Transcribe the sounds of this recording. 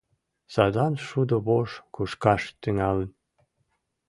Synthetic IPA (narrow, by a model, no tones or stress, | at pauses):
sɑd̪ɑnʃud̪oβoʃkuʃkɑʃt̪yŋɑlən